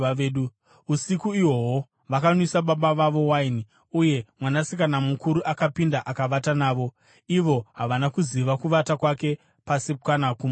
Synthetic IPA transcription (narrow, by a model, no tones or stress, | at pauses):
ɗu | usikuiwowo | ʋakanwisaɓaɓaʋaʋo̞waini | uje̞mwanasikanamukuɾuʔakapindaʔakaʋatanaːʋo̞ | iʋo̞ɦaʋanakuziʋakuʋatakwake̞ | pasip̚kanakum